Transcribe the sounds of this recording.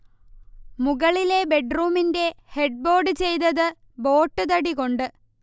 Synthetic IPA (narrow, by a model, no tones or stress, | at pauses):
muɣɐɭile̞beɖruːminde̞ | heɖ̚bo̞ːɖɨt͡ɕe̞jt̪ɐðɨ | bo̞ːʈːɨt̪̬ɐɽiko̞ɳɖɨ